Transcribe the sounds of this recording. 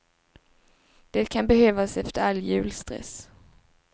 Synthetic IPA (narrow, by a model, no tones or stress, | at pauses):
d̪̥ɛːt̪̚kʰanbɛhøːvasɛft̪əɾalːjʉ̟ːlst̪ɾɛ̰s